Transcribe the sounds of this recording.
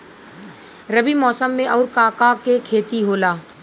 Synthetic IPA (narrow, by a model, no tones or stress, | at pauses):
ɾɐbimɔːsəmːẽʔɔːɾkaːkakekʰeːt̪iɦoːlaː